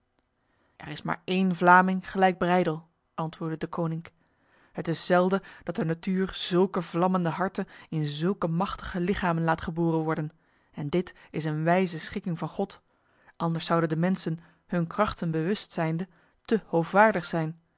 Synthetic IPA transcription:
ʔɛ̰ɹɪsma̰ːɹejnvlaːmɪŋχəlɛjɡ̚brɛjdəlˠ | ʔɑntʋʊːɹdədəkownɪŋk | ɦətɪsːɛlˠdəd̥ɑt̚dənatyːrz̥ɵlˠkəvlɑməndəɦɑɹtənɪnzɵlˠkəmɑχtə̥χəlɪχaːmənlaːtχəboːrənʋɔɹdən | ɛndɪtɪsənʋɛjzəsχɪkɪŋvɑnχɔt | ʔɑndəɹsɑwdəndəmɛnsən | hɵnkrɑχtənbəʋɵstsɛjndə | təhowfʋaːɹdəχsɛjn

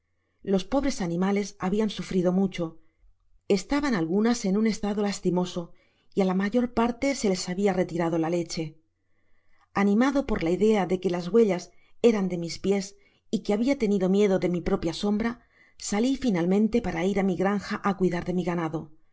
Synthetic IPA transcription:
lo̞spo̞β̞ɾe̞sanĩmale̞saβiansufɾiðo̞mut͡ʃo̞ | e̞st̪aβanalɣunase̞nune̞st̪aðo̞last̪imo̞so̞ | ialamaʝo̞ɾpaɾt̪e̞se̞le̞saβiare̞t̪iɾað̞o̞lale̞t͡ʃe̞ | anĩmaðo̞po̞ɾlaiðe̞aðe̞ke̞lazɣwe̞ʎase̞ɾand̪e̞mispje̞s | ikeaβiat̪e̞niðo̞mje̞ðo̞ðe̞mipɾo̞pjaso̞mbɾa | salifinalmẽ̞nt̪e̞paɾaiɾamiɣɾaŋxaʔakwiðaɾðe̞miɣanaðo̞

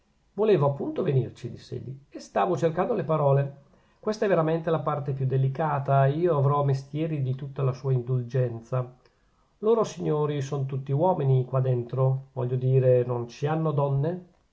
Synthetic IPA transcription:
voleːvoapːunt̪ovenirt͡ʃid̪isːḛʎḭest̪aːvot͡ʃerkand̪olepaɾɔːle | kwest̪aɛvːeɾament̪elapart̪epjud̪ːelikaːt̪aiːoavɾɔmest̪jɛːɾid̪it̪ut̪ːalasuːaind̪uld͡ʒɛnt̪sa | loːɾosiɲːoːɾisonot̪ut̪ːiwɔːminikwad̪ːent̪ɾovɔ̰ʎːod̪iːɾenont͡ʃianːod̪ɔnːe

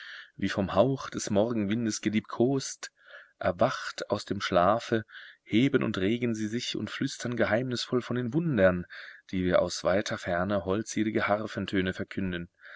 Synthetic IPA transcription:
viːfɔmhaʊxd̥ɛsmɔʁɡŋ̩vɪndəsɡ̥əliːp̚tkʰoːst | ʔɛɐvaχtaʊsd̥eːmʃlaːfəheːbənʔʊ̰ntʁeːɡən̩ziːzɪçʊ̰ntflʏstʰɐnɡəɦaɪmnɪsfɔlfɔndeːnvʊndɐnd̥iːviːɐʔa̰ʊsv̥aɪtʰɐfɛɐnəɦɔlt͡seːlɪɡəhaʁfəntʰøːnəfɛɐkʰʏndən

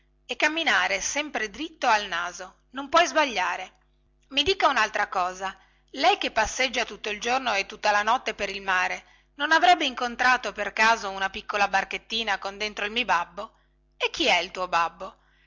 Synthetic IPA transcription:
ekːamːinaːɾesɛmpɾed̪ɾit̪ːoalnaːzo | nompwɔjzbaʎːaːɾe | mid̪iːkaunalt̪ɾakɔːza | lɛjkepːasːed͡ʒːat̪ut̪ːoild͡ʒornoet̪ːut̪ːalanɔt̪ːepeɾilmaːɾe | nonavɾɛbːeiŋkont̪ɾaːt̪operkaːzounapikːolabarket̪ːiːnakond̪ent̪ɾoilmibabːo | ek̟ːiɛilt̪uːobabːo

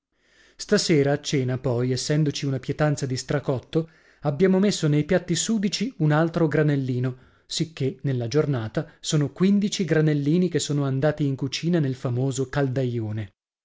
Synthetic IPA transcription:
st̪aseːɾaːt͡ʃːɛːnapɔjesːɛnd̪ot͡ʃiunapjet̪ant̪sad̪ist̪ɾakɔt̪ːo | abːjaːmomesːonejpjat̪ːisuːd̪it͡ʃiunalt̪ɾoɡɾanelːiːno | sikːenelːad͡ʒornaːt̪asoːnokwind̪it͡ʃiɡɾanelːiːnikesːoːnoand̪aːt̪iːŋkut͡ʃiːnanelfamoːzokald̪ajoːne

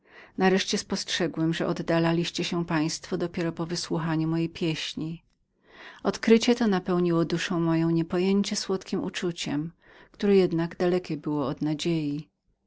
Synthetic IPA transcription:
naɾɛʂt͡ɕɛspɔstʂɛɡwɛmʐɛʔɔd̪ːalalʲiɕt͡ɕɛɕɛpaj̃st̪fɔd̪ɔpʲjɛɾɔpɔvɘswuxaɲumɔjejpʲjɛɕɲi | ɔt̪kɾɘt͡ɕɛt̪ɔnapɛwɲiwɔd̪uʂɔ̃w̃mɔjɔ̃w̃ɲɛpɔjeɲt͡ɕɛswɔt̪kʲimṵt͡ʂut͡ɕɛm | kt̪uɾɛjɛd̪naɡd̪alɛkʲɛbɘwɔɔd̪nad͡ʑeji

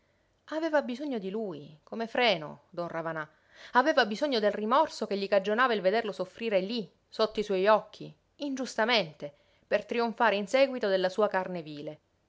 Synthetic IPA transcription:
avɛːvabizoɲːod̪iluːjkomefɾɛːno̰d̪ɔnravana | avɛːvabizoɲːod̪elrimɔrsokeʎːikad͡ʒonaːvailved̪erlosofɾiːɾeli | sot̪ːoiswɔjɔkʰːiː | nd͡ʒust̪ament̪e | pert̪ɾioɱfaːɾeinsɛːɡwit̪od̪elːasuːakarneviːle

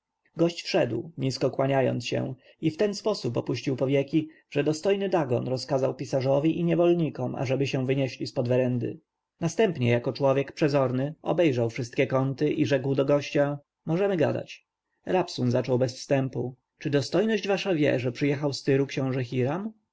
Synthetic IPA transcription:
ɡɔɕt͡ɕfʂɛd̪wɲiskɔkwaɲajɔ̰nt̪sɕɛ̰̃ | ift̪ɛnspɔsupɔ̰puɕt͡ɕiwpɔvʲjɛkʲi | ʐ̥ɛd̪ɔst̪ɔjnɘd̪aɡɔnɾɔskazawpʲisaʐɔvʲiʔiɲɛvɔlɲikɔmʔa̰ʐɛbɘɕɛ̃vɘɲɛɕlʲispɔd̪vɛɾɛnd̪ɘ̰ | nast̪ɛmpɲɛjakɔt͡ʂwɔvʲjɛkpʂɛzɔɾnɘɔ̰bɛjʐawfʂɘst̪kʲɛkɔnt̪ɘʔiʐɛkwd̪ɔɡɔɕt͡ɕa | mɔʐɛmɘɡa̰d̪a̰t͡ɕ | ɾapsunzat͡ʂɔwbɛsfst̪ɛmpu | t͡ʂɘd̪ɔst̪ɔjnɔʑd͡ʑvaʂavʲjɛ̰ʐɛpʂɘjɛxawst̪ɘɾukɕɛ̃w̃ʐɛxʲiɾam

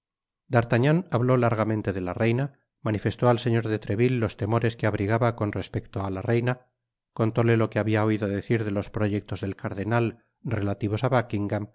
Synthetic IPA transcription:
d̪aɾt̪aɲanaβlo̞laɾɣamẽnt̪e̞ðe̞lare̞jna | manife̞st̪o̞alse̞ɲo̞ɾðe̞t̪ɾe̞βilːo̞st̪e̞mo̞ɾe̞skeaβɾiɣaβako̞nre̞spe̞kt̪oalare̞jna | ko̞nt̪o̞le̞lo̞ke̞aβiao̞iðoðe̞θiɾðe̞lo̞spɾo̞ʝe̞k̚t̪o̞zðe̞lkaɾðe̞nal | relat̪iβ̞o̞saβakiŋɡam

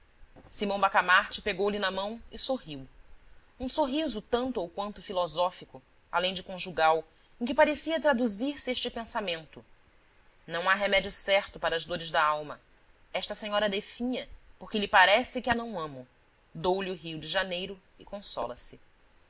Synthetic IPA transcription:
simɐ̃w̃bakamaɾt͡ʃɪ̥peɡowlɪnɐmɐ̃w̃ɪsoɦiw | ũsoɦizʊt̪ɐ̃nt̪ʊowkwɐ̃nt̪ʊfilɔzɔfikʊ | a̰lẽj̃d͡ʒɪkõʒuɡaw | ẽkɪpaɾesiɐt̪ɾad̪uziɾsɪeʃt͡ʃɪpẽsamẽnt̪ʊ | nɐ̃w̃aɦemɛd͡ʒiʊsɛɾt̪ʊpaɾɐːʒd̪oɾɪʒd̪ɐawmɐ | ɛʃt̪ɐseɲɔɾɐd̪efĩɲɐpoɾkɪlɪpaɾɛsɪkɪɐnɐ̃w̃ɐ̃mʊ | d̪owliuɦiwd͡ʒɪʒanejɾʊ | ɪkõsɔ̰lɐsɪ

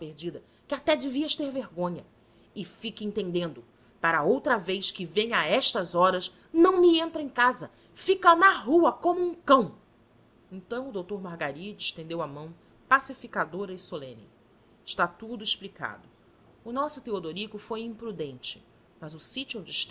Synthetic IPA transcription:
peɾd͡ʒid̪ɐ | kɪat̪ɛd͡ʒɪviɐʃt̪eɾveɾɡõɲɐ | ɪfikẽnt̪ẽnd̪ẽnd̪ʊ | paɾɐowt̪ɾɐvejskɪvẽɲaɛʃt̪ɐzɔɾɐs | nɐ̃w̃miẽnt̪ɾɐẽkazɐ | fikɐnɐɦuɐkõmʊũŋkɐ̃w̃ | ẽnt̪ɐ̃w̃ʊd̪owt̪oɾmaɾɡaɾid͡ʒɪʃt̪ẽnd̪ewamɐ̃w̃ | pasifikad̪oɾɐɪsolẽnɪ̰ | ɪʃt̪at̪ud̪ʊɪʃplika̰d̪ʊ | ʊnɔsʊt̪eod̪oɾikʊfojĩpɾud̪ẽnt͡ʃɪ̥ | mɐzʊsit͡ʃuõd͡ʒɪʃt̪

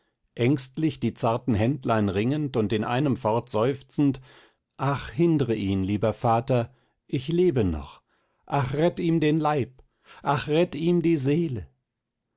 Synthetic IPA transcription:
ʔɛŋstlɪçd̥iːt͡saɐtn̩ɦɛntlaɪnʁɪŋəntʊntɪnʔa̰ɪnəmfɔɐtz̥ɔʏft͡sn̩t | ʔaχhɪndəʁəʔiːnliːbɐfaːtɐ | ʔɪçleːbənɔ̰χ | ʔaχʁɛtiːmdeːnlaɪp | ʔaχʁɛtiːmdiːzeːlə

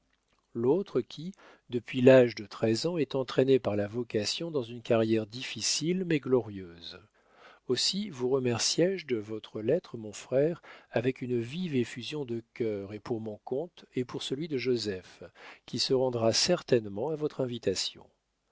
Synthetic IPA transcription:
lot̪χəkʲʰi | d̪əpɥilaʒd̪ət̪χɛzɑ̃ɛt̪ɑ̃t̪χenepaʁlavɔkasjɔ̃d̪ɑ̃zynkaʁjɛʁd̪ifisilmɛɡlɔʁjøz | osivuʁəmɛʁsjɛʒd̪əvɔt̪χəlɛt̪χəmɔ̃fχɛʁavɛkynəvivefyzjɔ̃d̪əkʲœʁepuʁmɔ̃kɔ̃t̪epuʁsəlɥid̪əʒozɛfkʲʰisəʁɑ̃d̪ʁasɛʁt̪ɛnmɑ̃avɔt̪χɛ̃vit̪asjɔ̰̃

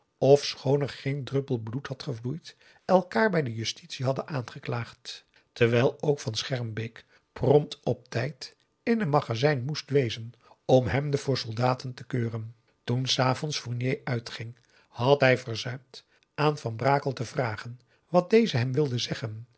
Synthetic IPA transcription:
ɔfsχownɛɹχejndrɵpəlˠbluthɑtχəvlujt | ʔɛlˠkaːɹbɛjdəjɵstitsiɦɑdənʔaːnχəklaːχt | təɹʋɛjlˠowkfɑnsχɛɹmbek | prɔmtɔp̚tɛjt | ɪnənmɑχazɛjnmustʋejzən | ɔmɦɛmdəfʊːɹsɔlˠdaːtəntəkøːrən | tunsaːvɔnsfʊɹnjejʔœɥtχɪŋ | hɑtɦɛjvəɹzœɥmt | ʔaːnvɑnbraːkəlˠtəvraːχən | ʋɑt̚dejzəɦɛmʋɪlˠdəzɛχən

